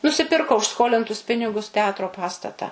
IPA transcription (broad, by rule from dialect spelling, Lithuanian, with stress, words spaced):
nʊsʲɪˈpʲɪrkoː ʊʃ ˈskoːlʲɪntʊs ˈpʲɪnʲɪɡʊs tʲɛˈɑːtroː ˈpɑːstɐtɐ